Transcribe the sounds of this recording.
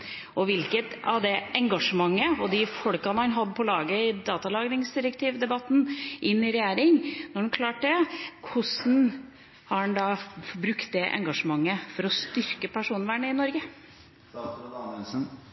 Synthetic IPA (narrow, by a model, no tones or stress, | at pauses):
ɔʋɪlkət̪ɑ̰ʋd̪ɛʔɛŋɡɑʂəmɑŋːəɔd̪ɪfɔɽkɑnəhɑnɦɑd̪ːəpʰɔlɑːɡəɪd̪ɑːt̪ɑlɑːɡɾɪŋsd̪ɪɾəkt̪ʰiːʋd̪ɛbɑt̪ːn̩ʔɪnːɪɾɛjæːɾɪŋnɔɖɛnkʰlɑːʈ̚d̪ɛkʰʊsn̩ | hɑɛnd̪ɑfɔbɾʉkt̪̚d̪ɛʔɛ̰ŋɡɑʂəmɑŋːəfɔɾɔst̪ʏɾkəpʰæʂuːnʋæːɳəɪnɔɾɡə